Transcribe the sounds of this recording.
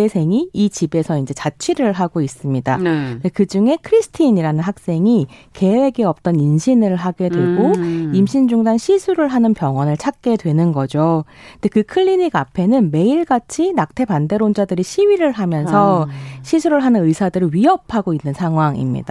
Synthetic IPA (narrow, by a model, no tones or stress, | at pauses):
esʰe̞ŋiit͡ɕibe̞sʰʌind͡ʑe̞t͡ɕat͡ɕʰɥiɾɯɭɦaɡois͈ɯmɲidadekɯd͡ʑuŋe̞kʰɯɾisʰɯ̥tʰiɲiɾanɯnɦak̚s͈e̞ŋike̞we̞ɡeʌp̚t͈ʌninɕʰinɯɭɦaɡe̞dwe̞ɡoimɕʰind͡ʑuŋdanɕʰisʰuɾɯɭɦanɯnpjʌŋwʌnɯɭt͡ɕʰak̚k͈e̞dwe̞nɯnɡʌd͡ʑo | nde̞kɯkʰɯɭːiɲiɡapʰe̞nɯnme̞iɭɡat͡ɕʰinak̚tʰe̞pande̞ɾond͡ʑadɯɾiɕʰiwɥiɾɯɭɦamjʌnsʰʌɕʰisʰuɾɯɭɦanɯnɯisʰadɯɾɯɥiɦʌpʰaɡoinːɯnsʰaŋɦwaŋḭmɲḭda